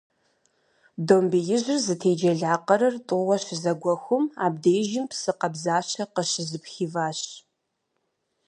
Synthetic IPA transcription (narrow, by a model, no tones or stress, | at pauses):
doːmbijɪʑɪrzɨtʰeːd͡ʒɐɮaːqɐɾɐrtʼʊʁɐɕɪzɐɡʷɔxʷʊmaːb̚deːjʒɪmpsɨqɐbzaːɕɐqəʃɪzɨpxiːvaːɕ